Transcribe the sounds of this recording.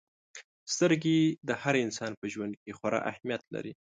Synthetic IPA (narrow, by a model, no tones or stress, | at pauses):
st̪əɾɡed̪əhaɾɪnsɑnpəʒwand̪̚kexwaɾɑ̰ʔa̰hmjat̪la̰ɾi